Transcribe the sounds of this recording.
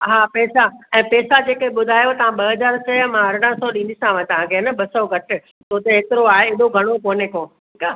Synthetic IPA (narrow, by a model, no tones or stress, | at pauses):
ɦaːpɛːsaɛ̃ːpɛːsad͡ʑeːkeɓʊd̪ʱaːjot̪ɐʋ̤ãɓɐɦəzaːɾsɐmãɐɾɽə̃sɔɗĩːnd̪isãʋãt̪ɐʋ̤ãkʰenəɓɐsɔɡʱɐʈɪ̆ | t̪oːt̪eɦeːt̪ɪɾoaːɦeɪɗoɡʱɐɽ̃okoːnekõːʈʰiːkaː